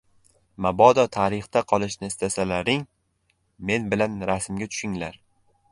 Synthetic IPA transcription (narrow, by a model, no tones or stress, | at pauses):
mabɒd̪ɒt̪ʰaɾɪχt̪aqʰɒlˠɪʃnɪːst̪ʰasalaɾɪŋ | me̞nbɪlanɾasɪmɡʲat̪ʰʊ̥ʃɪŋlaɾ